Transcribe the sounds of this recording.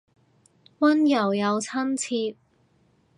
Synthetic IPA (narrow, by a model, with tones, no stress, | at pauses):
wɐ˥njɐ˨˩wjɐ˨˧wt͡sʰɐ˥mt͡sʰiː˧p̚